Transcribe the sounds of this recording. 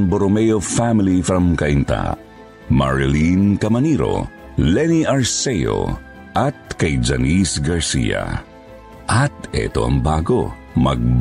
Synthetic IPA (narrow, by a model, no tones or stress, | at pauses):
ŋboɾomɛjofamɪlifɾɐmkɐʔint̪a̰ | maɹɪlinkɐmɐniɾo̞̰ | lɛniʔɐɹsɛjo̰ | ʔɐt̪̚kɐjd͡ʒɐnisɡɐɹsḭːa̰ | ʔɐt̪ɛ̰t̪o̞̰ʔɐ̰ŋbaːɡo̞ | mɐɡ̚b